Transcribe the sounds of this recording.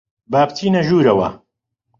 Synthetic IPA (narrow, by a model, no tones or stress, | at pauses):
baːpt̪ʰiːnɐʒuːɾɐwɐ̰